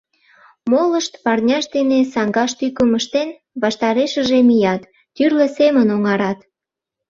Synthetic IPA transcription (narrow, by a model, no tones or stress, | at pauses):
moləʃt̪pɑrnʲɑʃd̪enesɑŋɡɑʃt̪ykəməʃt̪en | βɑʃt̪ɑɾeʃəʒemijɑt̪ː | yrlesemənoŋɑɾɑt̪